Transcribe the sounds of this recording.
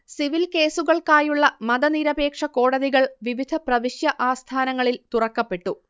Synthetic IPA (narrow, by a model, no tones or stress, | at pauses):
siʋilke̞ːsuɣɐɭkaːjuɭːɐmɐd̪ɐniɾɐbe̞ːkʂɐko̞ːɽɐðiɣɐɭʋiʋid̪ʱɐprɐʋiɕjɐʔaːst̪ʰaːnɐŋːɐɭilt̪urɐkːɐpːe̞ʈːu